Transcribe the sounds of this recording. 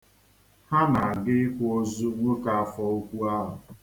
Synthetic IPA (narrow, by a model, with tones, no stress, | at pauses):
ha˦na˨ɡɪ˦kʷo˦zu˦ŋʷo˦ka˨a˨fɔ˦u˦kʷu˦a˦ɦʊ̰˨